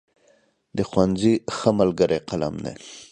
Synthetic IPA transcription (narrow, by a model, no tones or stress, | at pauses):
d̪əxwanzixəmalɡəɾeqala̰md̪ḛ